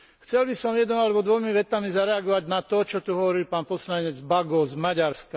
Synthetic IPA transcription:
xt͡sɛlbisɔmjɛd̪nɔalɛbɔd̪ʋɔjmiʋɛt̪amizaɾɛaɡɔʋaɟnat̪ɔt͡ʃɔt̪uɦɔʋɔɾilpaːnpɔslaɲɛd͡zbaɡɔzmaɟaɾska

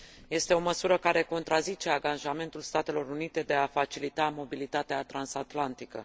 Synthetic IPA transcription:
je̞st̪eo̞məsuɾəkaɾe̞ko̞nt̪ɾazit͡ʃe̞aɡanʒame̞nt̪ulst̪at̪e̞lo̞ɾunit̪e̞d̪e̞afat͡ʃilit̪amo̞bilit̪at̪eat̪ɾansat̪lant̪ikə̰

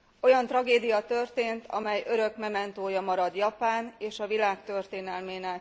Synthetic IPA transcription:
o̞jɒnt̪rɒɡeːd̪ijɒt̪ø̞rt̪eːnt̪ʰɒmɛjøɾøkmɛmɛnt̪oːjɒmɒɾɒd̪jɒpaːneːʃɒvilaːkt̪ø̞rt̪eːnɛlmeːnɛk

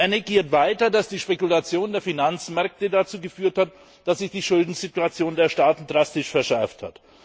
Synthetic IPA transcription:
ʔaneɡiːɐtv̥aɪtɐdasd̥iːʃpekulat͡sjoːndeːɐfinant͡smɛɐk̚tədat͡suːɡəfyːɐthat | d̥asz̥ɪçd̥iːʃʊldn̩zituat͡sjoːndeːɐʃtaːtn̩dʁastɪʃfɛɐʃɛɐftha̰t

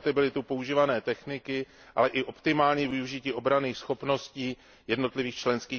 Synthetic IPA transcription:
t̪ɪbɪlɪt̪upo̞uʒiːvanɛːt̪ɛxnɪkɪ | ʔa̰lɛʔɪʔo̞pt̪ɪmaːlɲiːvɪuʒɪciːʔo̞bɾaniːxsxo̞pno̞sciː | jɛdno̞t̪lɪviːxt͡ʃlɛnskiː

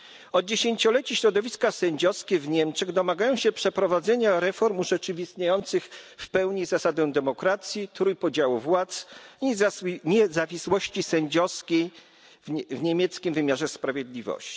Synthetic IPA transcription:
ɔd̪̚d͡ʑeɕeɲt͡ɕɔlɛt͡ɕiɕɾɔd̪ɔvʲiskasɛɲd͡ʑɔskʲɛvɲɛmt͡ʂɛɣd̪ɔmaɡajɔ̃w̃ɕɛpʂɛpɾɔvad̪zɛɲaɾɛfɔɾmuʐɛt͡ʂɘvʲist̪ɲajɔnt̪sɘxfpɛwɲizasad̪ɛ̃d̪ɛmɔkɾat̪sʲjit̪ɾujpɔd͡ʑawuvwat̪sɲɲɛzavʲiswɔɕt͡ɕisɛɲd͡ʑɔskʲej | vɲemʲjɛt̪skʲimvɘmʲjaʐɛspɾavʲjed̪lʲivɔ̰ɕt͡ɕi̥

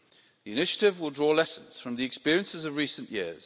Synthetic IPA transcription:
ðiɪnɪʃətɪvwɪlˠdɹɔːlɛsə̃nz̥fɹə̃mðiɛkspɪəɹiə̃nsɪzəvɹiˑsə̃nʔjɪəz̥

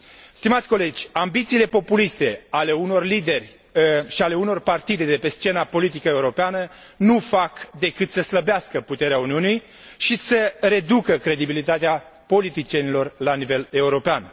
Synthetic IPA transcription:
st̪imat̪sʲko̞le̞d͡ʒʲambit̪siːle̞po̞pulist̪e̞ale̞uno̞rlid̪e̞rʲ | ʃiale̞uno̞rpart̪id̪e̞d̪e̞pe̞st͡ʃe̞napo̞lit̪̬ikəe̞uɾo̞peanə | nufakd̪e̞kɨt̪səsləbeaskəput̪e̞ɾeauniunij | ʃisəre̞d̪ukəkɾe̞d̪ibilit̪at̪ea | po̞lit̪it͡ʃijenilo̞rlanive̞le̞uɾo̞pean

